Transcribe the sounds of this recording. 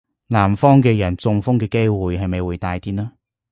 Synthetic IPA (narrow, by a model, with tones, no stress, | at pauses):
laː˨˩mfɔː˥ŋkɛː˧jɐ˨˩nt͡sʊ˧ŋfʊ˥ŋkɛː˧ke˥jwuː˨jɦɐ˨jmɐ˨jwuː˨˧jt̪aː˧jt̪iː˥naː˥